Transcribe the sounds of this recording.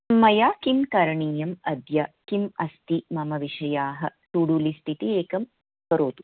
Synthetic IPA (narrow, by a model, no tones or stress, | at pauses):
mːɐjaːkimkɐɾɐɳiːjɐmɐd̪jɐkimɐst̪imɐmɐʋiʂɐjaːɦɐ̆t̪uɽulist̪ʰit̪ieːkɐm | kɐɾoːt̪u̥